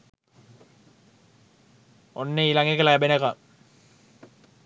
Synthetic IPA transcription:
onːeilaŋɡekəlajabenaka

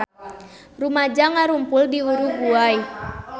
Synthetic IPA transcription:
rumad͡ʒaŋaɾumpʊldiuɾuɡuaj

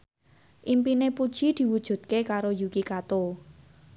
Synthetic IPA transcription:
ʔimpinepud̥ʒ̥id̪̥i̤wud̥ʒ̥ṳd̪̚kekaɾojukikat̪o

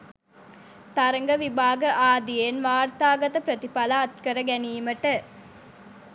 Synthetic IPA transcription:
t̪ɐɾɐŋɡɐʋibaːɡəʔaːd̪ijenʋaːɾt̪aːɡɐt̪əpɾɐt̪ipɐlaːt̪kɐɾɐɡæniːmɐʈə

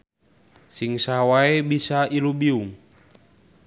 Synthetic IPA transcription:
siŋsawaebisailubiuŋ

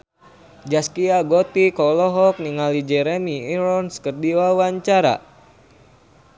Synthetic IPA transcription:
d͡ʒaskiaɡɔt̪ikɔlɔɦɔk̚niŋalid͡ʒɛɾemiiɾɔnskərdiwawaɲt͡ʃaɾa̰

